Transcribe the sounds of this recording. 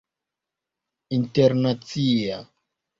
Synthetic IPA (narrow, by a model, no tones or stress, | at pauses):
inteɾnat͡sia